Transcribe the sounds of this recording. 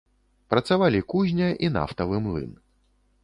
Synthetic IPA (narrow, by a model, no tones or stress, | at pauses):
pɾɐt̪savalʲikuzʲnʲɐʔina̰ft̪ɐvɨmlˠɨ̰n